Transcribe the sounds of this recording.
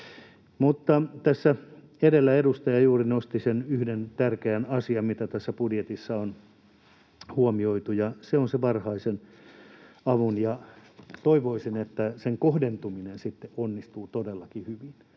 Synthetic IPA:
mut̪ːɑt̪æsːæ | edelːæedust̪ɑjɑjuːrinost̪isenyhdent̪ærkeænɑsiɑmit̪æt̪æsːæpudjet̪isːɑon | huomioit̪ujɑseonseʋɑrhɑisen | ɑʋunjɑt̪oiʋoisinet̪ːæseŋkohdent̪uminensit̪ːeʔonːist̪uːt̪odelːɑkihyʋin

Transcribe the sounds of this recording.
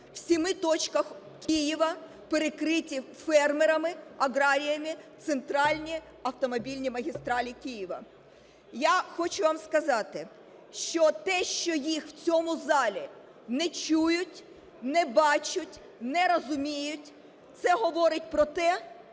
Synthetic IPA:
w̥sʲimɪt̪ɔt͡ʃkɐx | kʲijiʋɐ | peɾekɾɪtʲi | fɛrmeɾɐmɪɐɦɾɑɾʲijɐmɪt̪sent̪ɾɑlʲnʲi | ɐwt̪ɔmɔbʲilʲnʲimɐɦʲist̪ɾɑlʲikʲijɪʋɐ̰ | jaxɔt͡ʃʊʋɑmskɐzɑt̪ɪ | ʃt͡ʃɔt̪ɛʃt͡ʃɔjixw̥t͡sʲɔmʊzɑlʲi | nɛt͡ʃujʊtʲ | nɛbɑt͡ʃʊtʲ | nɛɾɔzʊmʲijʊtʲ | t̪sɛɦɔʋɔɾɪt̚ʲpɾɔt̪ɛ

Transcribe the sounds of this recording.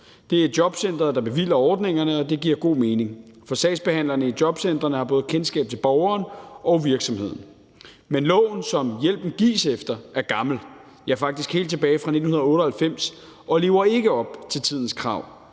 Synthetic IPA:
d̥e̝æɐe̥jɒ̽b̥sen̰d̥ʁɐd̥ɑ̈b̥e̝ʋḭːlɐɒːd̥ne̝ŋɐnəɒ̽d̥e̝ɡ̥iɐɡ̥o̝̰ːme̝ːne̝ŋfɒ̽sɛ̰ːsb̥ehæn̰lɐnəid̥jɒ̽b̥sen̰d̥ʁɐnəhɑ̈b̥ɔ̽ːð̩ˠkʰensɡ̥ɛ̰ːb̥̚t͡sʰe̝lb̥ɒʊɐːnʔɒʊʋiɐɡ̥sɒ̽mhe̝ð̞̰ˠn̩ | menlɔ̰̽ːn̩sɒ̽mjel̰b̥n̩ɡ̥ḭːsefd̥ɐæɐɡ̥ɑ̈ml̩ | jɑ̈ɐfɑ̈ɡ̥̚d̥isɡ̥he̝̰ːld̥̚t͡sʰeb̥ɛːɪfʁɑ̈ned̥n̩hunɐðˠɔ̽ːɾəhælfem̰s | ɒ̽le̝ːʊɐe̝ɡ̥əɒ̽b̥t͡sʰe̝lt͡sʰið̰ˠn̩skʰʁɑ̈ʊ̰

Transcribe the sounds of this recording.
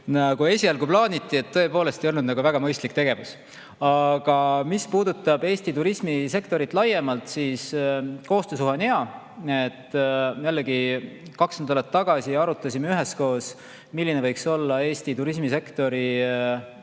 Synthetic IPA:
nɑɡue̞sʲiɑlɡuplɑːnʲit̪ˑːie̞t̪ːɤepo̞ːle̞st̪ejonud̪nɑɡ̥uvæɡ̥ɑmɤjst̪likt̪e̞ɡ̥e̞vus | ɑɡ̥ɑmispuːd̪ut̪ˑːɑb̥e̞ːsʲt̪it̪uɾismise̞kt̪o̞ɾit̪ˑlɑje̞mɑlt̪siːsko̞ːst̪øsuɦɑniɑ | et̪ːjælːe̞ɡikɑksend̪ɑlɑt̪ːɑɡ̥ɑsiɑɾut̪ːˑɑsʲimeyɦe̞sko̞ːs | milːinevɤjkso̞lːɑe̞ːsʲt̪it̪uɾismise̞kt̪o̞ɾi

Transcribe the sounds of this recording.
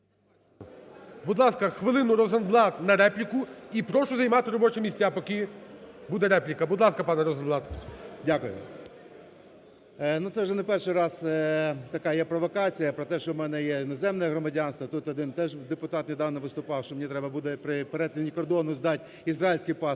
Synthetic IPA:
bud̪lˠɑskɐxʋɪlˠɪnʊɾɔzɐnblˠɑt̪nɐɾɛplʲikʊipɾɔʃʊzɐjmɑt̪ɪɾɔbɔt͡ʃɪmʲisʲt͡sʲːapɔkɪbud̪ɛɾɛplʲɪkɐbʊd̪lˠɑskɐpɑnɛɾɔzɔnblˠɑt̪dʲakʊjʊ̰ | nut̪sɛwʒɛnɛpɛrʃɪjɾɑz̥t̪ɐkɑjɛpɾɔʋɔkɑt͡sʲijɐpɾɔt̪ɛʃt͡ʃɔmɛnɛjɛnɔzɛmnɛɛɦɾɔmɐdʲɑnst̪ʋɐt̪ut̪ɔd̪ɪnt̪ɛʒd̪epʊt̪ɑt̪nʲɪd̪ɑwnɔʋɪst̪ʊpɑwʃt͡ʃɔmenʲit̪ɾɛbɐbud̪ɛpɾɪpeɾɛt̪ʲɪnʲikɔrd̪ɔnʊzd̪ɑtʲ | izɾailʲsʲkɪjpɑ

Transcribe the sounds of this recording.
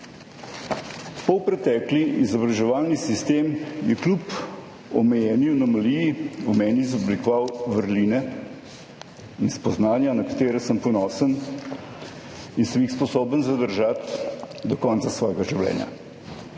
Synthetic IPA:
pɔwpɾɛt̪ɛkliizɔbɾaʒɛʋaːlnisist̪eːmjɛklup | ɔ̰mɛjɛːniwnɔmalijiumɛːniːzɔblikɔʋawʋəɾliːnɛ | inspɔznaːnjanɐkḁt̪eːɾɛsəmpɔnɔːsən | insəmjixspɔsoːbənzad̪əɾʒat̪d̪ɔkɔnt̪sasʋɔːjɡaʒiwlɛ̰ːnja̰

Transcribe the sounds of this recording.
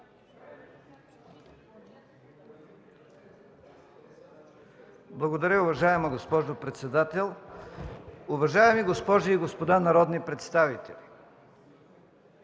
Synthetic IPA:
blˠɐɡod̪ɐɾʲəʊvɐʒaɛmɐɡospɔʒopɾɛt̪sɛd̪at̪ɛlˠ | ʊvɐʒaɛmiɡospɔʒiːɡospod̪anɐɾɔd̪nipɾɛt̪st̪avit̪ɛlʲi

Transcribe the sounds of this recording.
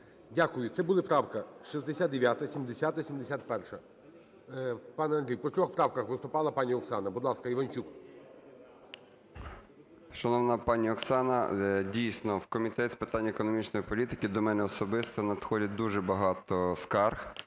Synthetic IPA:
dʲakʊjʊt̪sɛbʊlˠɪpɾɑwkɐʃizd̪esʲat̪d̪eʋʲjat̪ɐsʲimd̪esʲat̪ɐsʲimd̪esʲat̪pɛrʃɐ | pɑnɛɐnd̪ɾʲijpɔt̪ʲɾʲɔxpɾɑwkɐxʋɪst̪ʊpɑlˠɐpɑnʲiɔksɑnɐbʊd̪lˠɑskɐiʋɐnʲt͡ʃuk | ʃɐnɔwnɐpɑnʲiɔksɑnɐdʲijsʲnɔwkɔmʲit̪ɛtʲspet̪ɑnʲːɐekɔnɔmʲit͡ʃnɔjipɔlʲit̪ɪkɪd̪ɔmɛnɛɔsɔbɪst̪ɐnɐd̪xɔdʲɐd̪uʒɛbɐɦɑt̪ɔskɑrx

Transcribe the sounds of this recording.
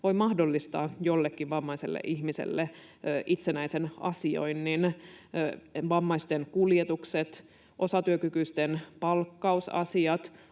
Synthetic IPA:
ʋo̞imɑhdolːist̪ɑːjolːekːiʋʋɑmːɑisḛlːḛʔiçmisḛlːe | ʔit̪senæisenɑ̰sio̰jnnin | ʋɑmːɑist̪enkuljet̪ukset̪ | ʔo̞sɑt̪yøkykyst̪enpɑlkːɑusɑ̰siɑt̪

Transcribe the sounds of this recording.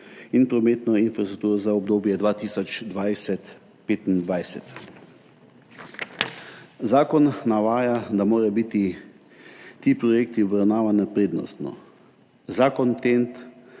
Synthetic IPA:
inpɾɔmeːt̪nɔinfɾast̪ɾuk̚t̪uːɾɔzaɔbd̪oːbjɛd̪ʋaːt̪iːsɔt͡ʃd̪ʋajsɛt̪ | peːt̪ind̪ʋajsɛt̪ | zaːkɔnːaʋaːjad̪amoːɾɛbit̪i | t̪iːpɾɔjeːk̚t̪iɔbɾawnaːʋanapɾeːd̪nɔ̰st̪nɔ̰ | zaːkɔnt̪ent̪

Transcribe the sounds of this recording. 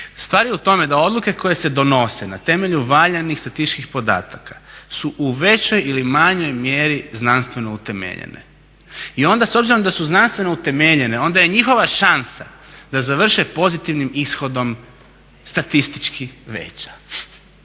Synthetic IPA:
st̪ʋaːɾjeut̪o̞me̞d̪ao̞d̪luke̞ko̞je̞se̞d̪o̞no̞senat̪e̞me̞ʎuʋaʎenixst̪at̪ist͡ʃkixpo̞d̪a̰ːt̪akḁsuʔuʋe̞t͡ɕo̞jilimaɲo̞jmje̞ːɾiznanst̪ʋe̞no̞ut̪e̞mḛʎḛnḛ | io̞nd̪aso̞bziɾo̞md̪asuznanst̪ʋe̞no̞ut̪e̞meʎe̞ne̞o̞nd̪aje̞ɲixo̞ʋaʃansa̰d̪azaʋr̩ʃepo̞zit̪iʋnimisxo̞d̪o̞m | st̪at̪ist̪i̥t͡ʃkiʋe̞̰t͡ɕḁ

